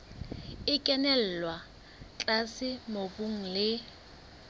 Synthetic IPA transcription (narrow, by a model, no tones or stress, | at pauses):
ɪkʼɛnɛl̩lwa | t͡ɬʼasɪmobʊŋ̩lɪ